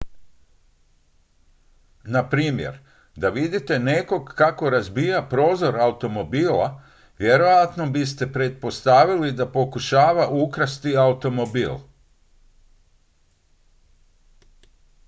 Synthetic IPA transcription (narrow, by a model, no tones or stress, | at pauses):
napɾiːmjḛɾ | d̪aʋid̪it̪e̞ne̞ko̞ɡkːako̞ɾazbiːjapɾo̞ːzo̞ɾaut̪o̞mo̞biːla̰ | ʋje̞ɾojat̪no̞bist̪e̞pɾe̞t̪̚po̞st̪aʋilid̪apo̞kuʃaːʋaʔukɾast̪iaut̪o̞mo̞bḭːl